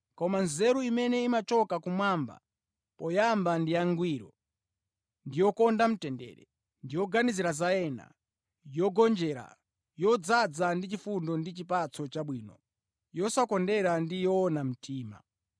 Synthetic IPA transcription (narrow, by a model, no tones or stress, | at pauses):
kɔmanzɛɾuimɛnɛimat͡ʃɔkakumwamba̰ | pɔjambandijaŋɡwiɾɔ̰ | ndijɔkɔndam̩tɛndɛ̰ːɾɛ | ndijɔɡaniziɾazajɛna̰ | jɔɡɔnd͡ʒɛːɾa̰ | jɔd͡zad͡zandit͡ʃifundɔndit͡ʃipat͡sɔt͡ʃaɓwiːnɔ | jɔsakɔndɛɾandijɔːnam̩tʰiːma̰